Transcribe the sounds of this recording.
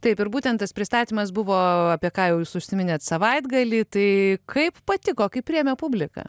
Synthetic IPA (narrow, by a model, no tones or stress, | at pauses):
t̪ɐɪpɪɾbuːt̪ʲɛnt̪ɐspʲɾʲɪst̪ɑːt̪ʲiːmɐs̬bʊʋoːɐpʲiɛkɑːjɛʊjuːsʊʃʲsʲɪmʲɪnʲeːt̪sɐʋɐɪd̪ɡɐlʲiːt̪ɐɪkʰɐɪppɐt̪ʲɪkoːkʲɐɪpʲɾʲijɛmʲɛpʊbʲlʲɪkɑ̰ː